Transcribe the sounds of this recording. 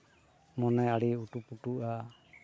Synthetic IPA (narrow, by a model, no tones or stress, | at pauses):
mɔnɛaɽiuʈupuʈuʔa